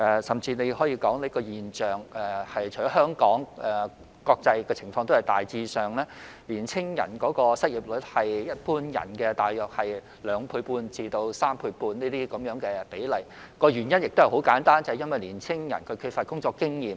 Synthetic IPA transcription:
ʔɛ˨sɐ˨mt͡siː˧ne˨˧jhɔː˨˥jiː˧kɔː˨˥ŋle˨˧˥kɔː˧jiː˨nt͡ʃœː˨ŋɛ˨˩hɐ˨jt͡ʃʰɔː˨˥ɦœː˥ŋkɔː˨˥ŋɛ˨ | kɔː˧k̚t͡sɐ˧jkɛː˧t͡sʰɪ˨˩ŋfɔː˧ŋt̪o˥whɐ˨˩jt̪aː˨jt͡siː˧sœː˨ŋlɛː˥liː˨˩nt͡sʰɪ˥ŋjɐ̰˨˩nkɔː˨˥kɔː˧sɐ˥t̚ji˨˩p̚lɵ˨˥t̚hɐ˨jjɐ˥t̚puː˥njɐ̰˨˩nkɛː˧t̪aː˨jːɔː˨k̚hɐ˨j | lœː˨˧ŋpʰuː˧puː˧nt͡siː˧t̪o˧wsaː˥mpʰuː˧jpuː˧nniː˥t̪iː˥kɐ˨˥mjœː˨˥ŋkɛː˧pe˨˥jlɐ˨˩j | kɔː˧ɥyː˨˩njɐ˥njɪ˨k̚t̪o˥hɐ˨˩ho˨˥wkaː˨˥nt̪aː˥nt͡sɐ˨˧hjɐ˥nwɐ˨jliː˨˩nt͡sʰɪ˥ŋjɐ̰˨˩nkʰɵ˨˧ɥkʰy˧t̚fa˧t̚kʊ˥ŋt͡sɔː˧kːɪ˥ŋjiː˨m

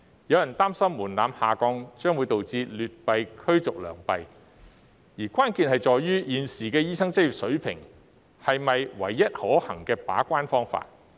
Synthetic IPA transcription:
jɐ˨˧wjɐ˨˩nt̪aː˥msɐ˥mːuː˨˩nlaː˨˧mhaː˨kɔː˧ŋt͡ʃœː˥ŋwu˨˧˥jt̪o˨wt͡siː˧lyː˨t̚pɐ˨jkʰɵ˥ɥt͡sʊ˨k̚lœ̰ː˨˩ŋpɐ˨j | jiː˨˩kʷwʷaː˥nkiː˨nhɐ˨jt͡sɔː˨jːyː˥jiː˨nsiː˨˩kɛː˧jiː˥sɐ˥ŋt͡sɐ˥ji˨p̚sɵ˨˥ɥpʰɪ̰˨˩ŋ | hɐ˨jmɐ˨jwɐ̰˨˩jːɐ˥t̚hɔː˨˥hɐ˨˩ŋkɛː˧pa̰ː˨˥kʷaː˥nfɔː˥ŋfa̰ː˧t̚

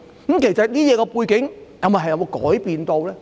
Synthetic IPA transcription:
kə˨˦mke˨˩jsɐ˨t̚niː˥jɛː˨˧kɔː˧puː˧jkɪ˨˥ŋjɐ˨˧wmɐ˨˩ɦjɐ˨˧wo˧kɔ̰ː˨˥jpiː˨nt̪o˧wlɛː˥

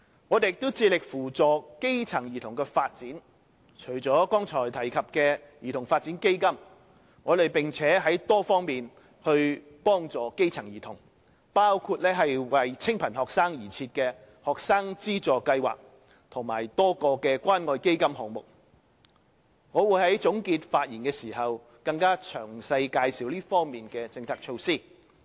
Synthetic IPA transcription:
ŋɔː˨˧t̪e˨jɪ˨k̚t̪o˥wt͡siː˧lɪ˨k̚fuː˨˩t͡sɔː˨ke˥jt͡sʰɐ˨˩ŋjiː˨˩t̪ʰʊ˨˩ŋkɛː˧faː˧t̚t͡siː˨˥n | t͡ʃʰɵ˨˩ɥt͡sɔː˨˥kɔː˥ŋt͡sʰɔː˨˩jt̪ʰɐ˨˩jkʰɐ˨p̚kɛː˧jiː˨˩t̪ʰʊ˨˩ŋfaː˧t̚t͡si˨˥nke˥jkɐ˥m | ŋɔː˨˧ɾe˨˩jpɪ˨ŋt͡sʰɛː˨˥ɦɐ˨˥jt̪ɔː˥fɔː˥ŋmiː˨n | hɵ˧ɥ | pɔː˥ŋt͡sɔː˨ke˥jt͡sʰɐ˨˩ŋjiː˨˩t̪ʰʊ˨˩ŋ | paː˥wkʰuː˧t̚lɛː˥ɦɐ˨jwɐ˨jt͡sʰɪ˥ŋpʰɐ˨˩nhɔː˨k̚saː˥ŋjiː˨˩t͡sʰiː˧t̚kɛː˧ | hɔː˨k̚saː˥ŋt͡siː˥t͡sɔː˨kɐ˧jwa̰ː˨k̚ | t̪ʰʊ˨˩ŋmaː˨˩jt̪ɔː˥kɔː˧kɛː˧kʷaː˥nŋɔː˧jke˥jkɐ˥mhɔː˨˩ŋmʊ˨˩k̚ | ŋɔː˨˧wu˨˧jɦɐ˨˥jt͡sʊ˨˥ŋkiː˧t̚faː˧t̚jiː˨˩nkɛː˧siː˨˩hɐ˨w | kɐ˧ŋkaː˥t͡ʃʰœː˨˩ŋsɐ˧jkaː˧jsiː˨˥wliː˥fɔː˥ŋmiː˨nkɛː˧t͡sɪ˧ŋt͡sʰaː˧k̚t͡ʃʰo˧wsiː˥˩

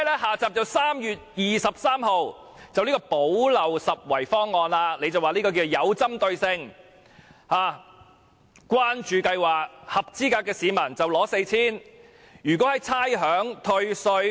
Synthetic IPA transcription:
ɛ˥lɛː˥ɦaː˨˩t͡saː˨p̚t͡sɐ˨wsaː˥mjyː˨t̚jiː˨˩sɐ˨p̚saː˥mɦo˨w | t͡sɐ˨wliː˥k̬ɔ˧po˨˥wlɐ˨wsɐ˨t̚wɐ˨˩jfɔː˥ŋːɔː˨nlaː˧le˨˧jt͡sɐ˨waː˨liː˥kɔː˧kiː˧t͡so˨wjɐ˨˧wt͡sɐ˥mt̪ɵ˧ɥsɪ˧ŋ | haː˨˧ | kʷwaː˥nt͡ʃyː˨kɐ˧jwaː˨˩k̚hɐ˨p̚t͡siː˥kaː˧kːɛː˧siː˨˧mɐ˨˩nt͡sɐ˨˩wlɔː˨˥se˧jt͡sʰiː˥n | jyː˨˩kɔ˨˥hɐ˨˦jt͡sʰaː˥jɦœː˨˥ŋt̪ʰɵ˧ɥsə˧ɥ

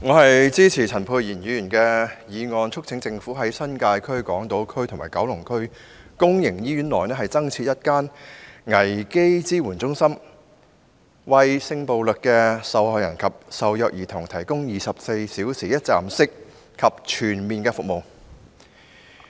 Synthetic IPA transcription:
ŋɔː˨˧hɐ˨jt͡siː˥t͡sʰiː˨˩t͡sʰɐ˨˩npʰuː˧tjiː˨˩njyː˨˧jyː˨˩nkɛː˧jiː˨˧ŋɔː˨nt͡ʃʰʊ˥k̚t͡sʰɪ˨˥ŋt͡sɪ˧ŋfuː˨˥ɦɐ˨˥jsɐ˥nkaː˧jkʰɵ˥ɥkɔː˨˥ŋt̪o˨˥wkʰɵ˥ɥt̪ʰʊ˨˩ŋma̰ː˨˩jkɐ̰˨˥wlʊ˨˩ŋkʰɵ˥ɥ | kʊ˥ŋjɪ˨˩ŋjiː˥jyː˨˥nlɔː˨˩jnɛː˥ɦɐ˨jt͡sɐ˥ŋt͡sʰiː˧t̚jɐ˥t̚kaː˥nŋɐ˨˩jke˥jt͡siː˥wuː˨˩nt͡sʊ˥ŋsɐ˥m | wɐ˨jsɪ˧ŋpo˨wlɵ˨k̚kːɛː˧sɐ˨whɔː˨jɐ˨˩nkʰɐ˨p̚sɐ˨wjœː˨˩k̚jiː˨˩t̪ʰʊ˨˩ŋt̪ʰɐ˨˩jkʊ˥ŋjiː˨sɐ˨p̚se˧jsiː˨˥wsiː˨˩jɐ˥t̚t͡saː˨msɪ˥k̚ʰː | ɐ˨p̚t͡ʃʰyː˨˩nmiː˨nkɛː˧fʊ˨k̚mo˨˩w

